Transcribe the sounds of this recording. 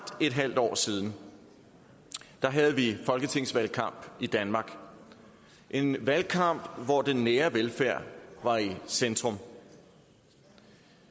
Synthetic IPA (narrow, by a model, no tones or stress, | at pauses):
d̥e̝d̥ɦæl̰d̥ɒ̰ːsiːð̞ˠn̩ | d̥ɑ̈ɦæð̞̩ˠʋifɒ̽lɡ̥ət͡sʰe̝ŋ̰sʋælkʰɑ̈m̰b̥id̥ænmɑ̈ːɡ̥ | ʔe̝nʋælkʰɑ̈m̰b̥ʋɒd̥enːeːɐʋelfæɐ̰ʋɑ̈isend̥ʁɔ̽m